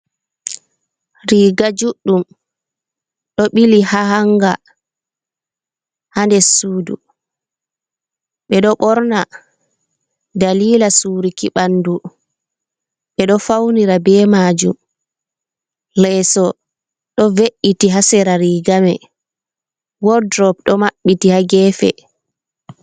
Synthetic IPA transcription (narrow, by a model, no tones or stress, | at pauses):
ɾiːɡad͡ʒuɗːum | ɗɔɓilihahaŋɡa | handɛsuːdṵ | ɓɛɗɔɓɔɾna | daliːlasuːɾikiɓanːdu | ɓɛɗɔfawniɾabɛːmad͡ʒṵm | lɛsɔ | ɗɔveʔːitiɦasɛɾaɾiɡamɛ | wɔdɾɔp̚ɗɔmaɓːitihaɡɛːfɛ̰